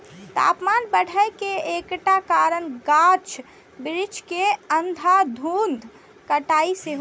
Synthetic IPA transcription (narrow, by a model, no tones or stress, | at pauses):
t̪a̰ːpmanbəɽ̤ʱajkeekʈakaɾəɳɡat͡ʃʰ | bɾit͡ʃʰkeənd̪ʱad̪ʱund̪ʱ | kəʈaiseɦ